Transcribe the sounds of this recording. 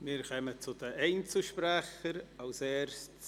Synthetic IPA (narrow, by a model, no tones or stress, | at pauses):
miːɾkɛmət͡sʊdəʔeɪnt͡səʃpɾɛxəɾaʊseːɾst